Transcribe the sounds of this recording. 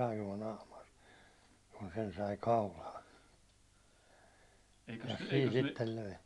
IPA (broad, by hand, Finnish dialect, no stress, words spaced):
ɑinuɒ nɑːmɑr kun sen sɑi kɑulɑːn siːn sitːel løi